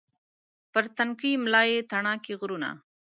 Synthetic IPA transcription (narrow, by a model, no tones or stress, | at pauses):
pəɾt̪ankimlɑjet̪aɳɑkeɣɾuna̰